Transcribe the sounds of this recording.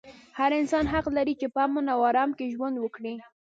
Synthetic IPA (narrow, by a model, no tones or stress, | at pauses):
haɾɪnsɑnɦaqlaɾit͡ʃepəamonawɑɾɑmkeʒwand̪wəkɽi